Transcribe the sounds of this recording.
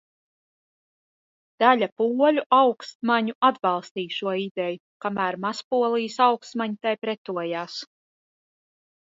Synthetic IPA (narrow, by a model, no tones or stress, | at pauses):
d̪̥alʲapuɔlʲuʔawkst̪̚maɲuʔad̪bɑlˠst̪iːʃuɔid̪ɛju | kamæːɾmaspuɔlˠijsawkst̪maɲit̪ajpɾɛt̪uɔjaːs